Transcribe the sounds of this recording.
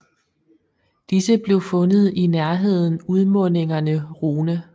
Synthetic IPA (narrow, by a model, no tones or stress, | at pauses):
d̥isəb̥le̝ʊfɔ̽nð̞̩ˠinæɐɦe̝ð̞̰ˠn̩uð̞ˠmɔ̽ne̝ŋɐnəʁuːnə